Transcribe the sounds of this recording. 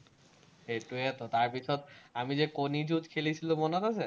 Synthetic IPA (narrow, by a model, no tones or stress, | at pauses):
eʈuet̪ʰot̪aɾpit͡ɕʰɔt̪amid͡ʑekonid͡ʑutkʰelit͡ɕʰilomɔnɔt̪at͡ɕʰe